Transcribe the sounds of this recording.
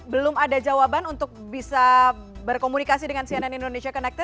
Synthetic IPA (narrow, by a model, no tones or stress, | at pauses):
bəlʊmadad͡ʒawabanunt̪ʊk̚bisabərkomunikasidəŋansiananindonesiakənɛk̚t̪ə